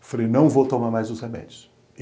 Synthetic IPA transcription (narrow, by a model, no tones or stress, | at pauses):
falejnɐ̃w̃vowt̪omaɾmajzʊsʁemɛ̰d͡ʒʊs